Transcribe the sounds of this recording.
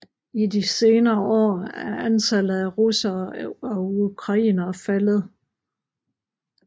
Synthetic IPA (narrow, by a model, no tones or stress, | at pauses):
idise̝ːnɐːɒ̰ːæɐʔænt͡sʰælð̩ˠæʁusɐɒ̽ukʰʁɑ̈ḭːnɐfælð̩ˠ